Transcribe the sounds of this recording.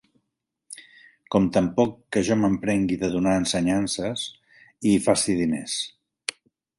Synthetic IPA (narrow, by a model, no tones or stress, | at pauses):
kɔmt̪əmpɔkːəʒɔməmpɾɛŋɡiðəðunaənsəɲansəs | iːfasiðinḛs